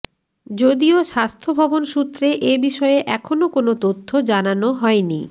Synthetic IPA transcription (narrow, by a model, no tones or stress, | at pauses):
d͡ʑod̪ioʃast̪ʰobʱɔbonʃut̪ːɾeʔebiʃɔeeʔɛkʰonokonot̪ot̪ʰːod͡ʑananoɦɔeni